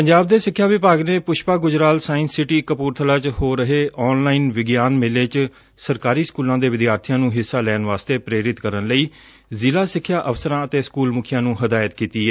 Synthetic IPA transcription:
pəɲd͡ʒaːb̚d̪eːsɪkʰːjaːʋɪpaːɡneːpʊʃpaːɡʊd͡ʒɾaːlsaːɪnsːɪʈiːkəpuːɾt̪ʰəlaːt͡ʃhoːɾəɦeːʔɔːnlaːiːnʋɪɡjaːnmɪleːt͡ʃ | səɾkaːɾiːskuːlãːd̪eːʋɪd̪jaːɾt̪ʰɪjãːnũːɦɪsːaːlɛːnʋaːst̪eːpɾeːɾɪt̪kəɾənləiː | zɪlaːsɪkʰːjaːʔəfsəɾãːət̪eːskuːlmʊkʰɪjãːnũːɦəd̪aːjət̪kiːt̪iːɦɛː

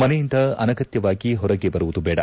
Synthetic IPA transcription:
mɐnɛjind̪ɐɐnɐɡɐt̪jɐʋaːɡiɦɔɾɐɡebɐɾuʋud̪ubɛːɽɐ̰

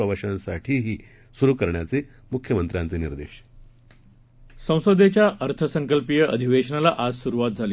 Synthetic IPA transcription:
əʋəɕãnsaʈʰiːɦiː | suɾuːkəɾɳjat͡se | mukʰjəmənt̪ɾʲjãnt͡seniɾd̪ḛɕ | sə̃w̃sod̪et͡ɕjaʔəɾt̪ʰəsəŋkəlpijəəd̪ʱiʋeɕənalaʔad͡zsuɾuʋat̪̚d͡zʱali

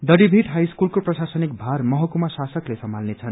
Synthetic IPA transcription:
d̪ʌɽibʱiʈɦajskulkoprʌsasʌnik̚bʱarmʌɦʌkumasasʌklesʌmalnet͡sʰʌn

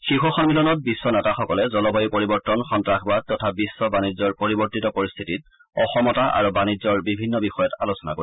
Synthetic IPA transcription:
xixuxɔnmilɔnɔt̚bisːɔnɛtaxɔkɔlɛzɔlɔbʱajupoɹibɔɹtɔnxɔntɹaxʰbad̚tɔtʰabisːɔbanizɔɹpoɹibɔɹtitɔpoɹist̪ʰitit | ɔxɔmɔtaʔa̰ɹubanizɔɹbibʱinːɔbixɔjɔtalosɔna̰koi

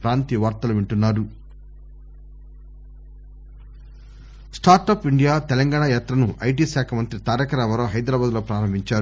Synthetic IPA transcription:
pɾaːnt̪iʋaːɾt̪ɐluʋiɳʈunːaːɾu | sʈaːɾʈɐːpiɳɖijaːt̪ɛlɐŋɡaːɽajaːt̪ɾɐnuʔɐjʈ̬iːʃaːkʰɐmɐnt̪ɾit̪aːɾɐkɐɾaːmɐɾoːɦɐjd̪ɾaːbaːd̪lo̞ːpɾaːɾɐmbʱiɲt͡ʃaːɾ

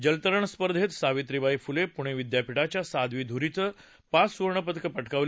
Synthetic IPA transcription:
d͡ʑəlt̪əɾəɳspəɾd̪ʱet̪saʋit̪ɾiʋaifulepuɽ̃eʋid̪japiʈat͡ɕjasad̪ʋiːd̪ʱuɾit͡sə | pasʋuɾɳəpət̪əkəpəʈkaʋl

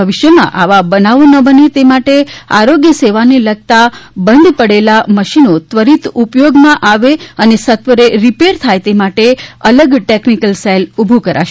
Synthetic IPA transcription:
əʋiʃjəmã̰ʔaʋabənaʋonəbənet̪emaʈea̰ɾoɡjəseʋaneləɡ̚t̪abənd̪ʱpəɽelaməʃinot̪ʋəɾit̪upjoɡmãʔaʋeənesət̪ʋəɾeɾipeɾt̪ʰajt̪emaʈeələɡʈeknikəlselubʱukəɾa̰ʃe

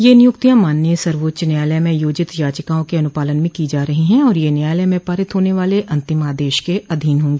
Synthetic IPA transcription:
jenɪjʊkt̪ijãmaːnːjəsɐɾʋoːtːʃnjaːləjmẽjoːd͡ʒɪt̪jaːd͡ʒəkaːõkeɐnʊpaːlənmẽkid͡ʒaːɾɐɦiɦɛ̃ɔːɾjenjaːjləjmẽpaːɾɪt̪ɦoːneʋaːleʔɐ̃nt̪ɪmaːd̪eːʃkeɐd̪ʱiːnɦõːŋɡeː

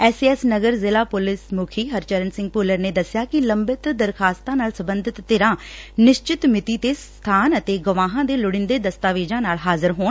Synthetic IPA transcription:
ɛːsiːɛːsnəɡəɾzɪlaːpʊlɪsmʊkʰiːɦəɾt͡ʃəɾənsɪ̃ŋɡ̚pʊːləɾneːd̪əsɪjaːkɪləmbɪt̪d̪əɾkʰaːst̪ãːnaːlsəbənd̪ɪt̪ːeːɾãːnɪʃt͡ʃɪt̪mɪt̪iːt̪eːs | t̪ʰaːnət̪eːɡəʋaːɦãːd̪eːlʊɽɪnd̪eːd̪əst̪aːʋeːd͡ʒãːnaːlɦaːzɪɾɦoːn

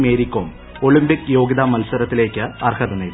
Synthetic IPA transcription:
meːɾikːoːm | o̞ɭimbikjo̞ːɡiðamɐlsɐɾɐt̪ːile̞ːkʲːɨɐrhɐd̪ɐneː

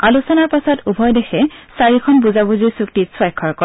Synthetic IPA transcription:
alusɔnaɹpasɔtubʱɔjdɛxʰɛsaɹikʰɔnbuzabuziɹsuktiswajkʰːɔɹkɔ

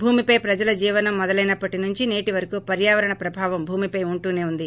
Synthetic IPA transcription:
bʱuːmipɐjpɾɐd͡ʒɐlɐd͡ʒiːʋɐnɐmːɔd̪ɐlɐjnɐpːɐʈinuɲt͡ʃine̞ːʈiʋɐɾɐkuːpɐɾjaːʋɐɾɐɳɐpɾɐbʱaːʋɐmbʱuːmipɐjuɳʈuːne̞ːund̪i

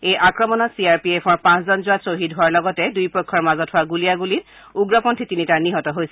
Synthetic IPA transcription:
ejʔakɹɔmɔnɔtsiaɹpiepʰɔɹpãszɔnzʊwasoɦidɦʊaɹlɔɡɔtɛdujpɔjkʰːɔɹmazɔthʊaɡulijaɡulit | uɡɹɔpɔntʰitinitaniɦɔtɔɦojsɛ

